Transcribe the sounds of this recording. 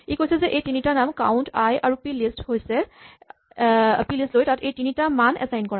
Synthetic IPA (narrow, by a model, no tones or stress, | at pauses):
ikojsɛzɛʔejtinitanamka̰ʊntʰajaɹupilisthojsɛ | pilistlojtatejtinitamanʔɛ̰sajnkɔɹã